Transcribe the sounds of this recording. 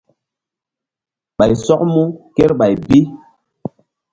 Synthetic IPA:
ɓa˨jsɔ˦k̚mu˦ke˦ɾɓa˨jbi˦

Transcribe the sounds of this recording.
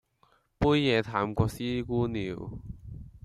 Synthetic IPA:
puː˥jːɛː˨˧t̪ʰaː˨˥mkʷɔː˧k̚siː˥kuː˥niː˨˧w

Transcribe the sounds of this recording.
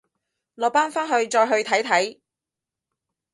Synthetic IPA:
lɔː˨paː˥nfaː˥nɦɵ˧ɥt͡ʃɔː˧jɦɵ˧ɥt̪ʰɐ˨˥jt̪ʰɐ˨˥j

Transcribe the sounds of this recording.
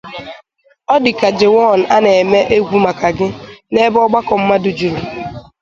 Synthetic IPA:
ɔ˦dɪ˨ka˨d͡ʒe˨wɔ˦˨n̩˨a˦ne˨e˨me˦ʔe˦ɡʷu˦ma˨ka˨ɡɪ˦ne˦bɔ˦ɡ͡ba˦kɔ˨m̩˦ma˦dʊ˨d͡ʒu˨ɾu˨

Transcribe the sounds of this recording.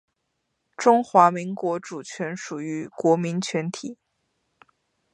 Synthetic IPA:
ʈ͡ʂʊ˥ŋxwa˧˥mi˧˥ŋkwɔ˧˥ʈ͡ʂu˨˩t͡ɕʰɥɛ˧˥nʂu˨˩y˧˥kwɔ˧˥mi˧˥nt͡ɕʰɥɛ˧˥nt̪ʰi˨˩˦

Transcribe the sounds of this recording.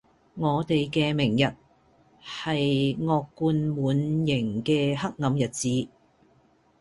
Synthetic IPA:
ŋɔː˨˧t̪e˨jkɛː˧mɪ˨˩ŋjɐ˨t̚ | hɐ˨jŋɔː˧kːuː˧nmuː˨˥njɪ˨˩ŋkɛː˧hɐ˥k̚ŋɐ˨˧mjɐ˨t̚t͡siː˨˧

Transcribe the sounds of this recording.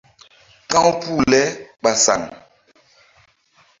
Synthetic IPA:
kã˦wpu˦˨lɛ˦ɓa˨sa̰˨ŋ

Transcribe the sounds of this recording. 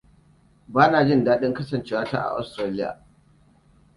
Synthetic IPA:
baː˦naː˨d͡ʒɪ˦˨ndaː˦ɗɪ˦ŋkɐ˦sɐ˨nt͡ʃeː˦waː˦ta̰˦ʔa̰˨ʔa̰˨˦stɾaː˦lɪ˦ja̰ː˨

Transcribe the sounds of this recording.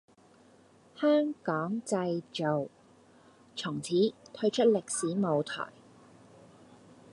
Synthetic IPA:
hœː˥ŋkɔː˨˥ŋt͡sɐ˧jt͡ʃo˨w | t͡sʰʊ˨˩ŋt͡sʰiː˨˥t̪ʰɵ˥ɥt͡ʃʰɵ˥t̚lɪ˨k̚siː˨˥mo˨˧wt̪ʰɔ̰ː˨˩j

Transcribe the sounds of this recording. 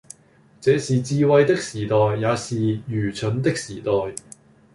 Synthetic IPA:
t͡sɛː˨˧siː˨t͡siː˧wɐ˧jt̪ɪ˥k̚siː˨˩t̪ɔː˨jːaː˨˧siː˨jyː˨˩t͡ʃʰɵ˨˥nt̪̬ɪ˥k̚siː˨˩t̪ɔː˨˩j

